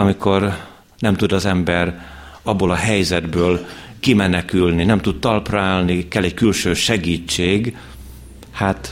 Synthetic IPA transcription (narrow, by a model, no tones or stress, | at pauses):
ɒmikʰo̞r | nɛmt̪ud̪ɒzɛmbɛrɒbːoːlɒɦɛjzɛd̪bøːlkimɛnɛkylninɛmt̪ut̪t̪ɒlpraːlnikɛlːɛckylʃøːʃɛɡiːt͡ʃːeːɡ | hat̪